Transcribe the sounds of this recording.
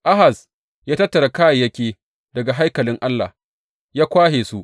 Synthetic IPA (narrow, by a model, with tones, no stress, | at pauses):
ʔa˦ɦa˨s | jaː˦tɐ˦tːɐ˨ɽa˨kaː˦ja˨jɐ˦kʲeː˨ | dɐ˨ɡa˨ɦa˦jkɐ˨lɪ˦ŋʔa˦lːa̰˨ | jaː˦kʷaː˦ɦeː˨su˦ʔ